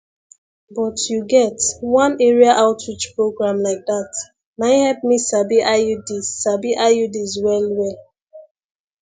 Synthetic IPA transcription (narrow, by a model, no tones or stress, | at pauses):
bɔtjuɡɛtwãnɛɹiaʔaʊtʰɹit͡ʃpɹoɡɹãmlaɪk̚dat | maɪ̃hɛlp̚misabiʔaudisabiʔajudizwɛlwɛl